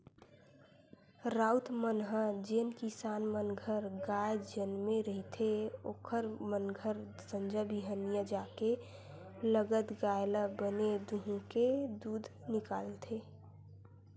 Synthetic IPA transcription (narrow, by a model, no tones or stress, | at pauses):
ɾaːut̪mənɦəd͡ʒenkisaːnmənɡʱəɾɡaːjd͡ʒenmẽɾəɦit̪ʰeoːkʰəɾmənɡʱəɾ | sə̃nd͡ʒəbʱiɦənijad͡ʒaːke | ləɡət̪ɡajləbəned̪uɦũked̪uːd̪ʱnɪkaːlet̪ʰeː